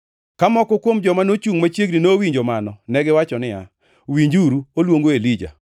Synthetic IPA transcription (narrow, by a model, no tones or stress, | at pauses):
kamɔkɔkwomd͡ʒɔmanot͡ʃuŋmat͡ʃjeɡninowiɲd͡ʒomanɔnɛɡɪwat͡ʃɔnɪa̰ | wiɲd͡ʒuɾuolwoŋɡoelid͡ʒa̰